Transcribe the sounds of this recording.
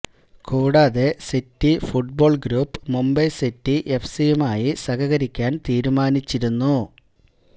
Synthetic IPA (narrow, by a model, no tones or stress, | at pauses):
kuːɽaːðesitːifuʈ̚bo̞ːɭɡɾuːpːɨmumbɐjsitːiʔefsijumaːjisɐɣɐɣɐɾikʲːaːnt̪iːɾumaːnit͡ɕːiɾunːu